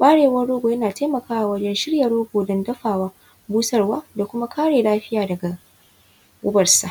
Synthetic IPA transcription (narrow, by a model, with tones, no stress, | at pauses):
ɓaː˦ɽeː˨wɐ˦ɽːoː˦ɡʷoː˨jɐ˦naː˨teː˦mɐ˨kaː˦wa˨wɐ˦d͡ʒɛ˦nʃɪ˦ɽjɐ˨ɽoː˦ɡʷoː˨dɔ˦ndɐ˦ɸaː˨waː˦ | buː˦sɐ˦rwaː˦da˨kʷʊ˦ma˦kʰaː˦ɽeː˨laː˦ɸɪ˦jaː˨dɐ˨ɡa˨ | ʔʊ̰˦bɐ˨rsa˨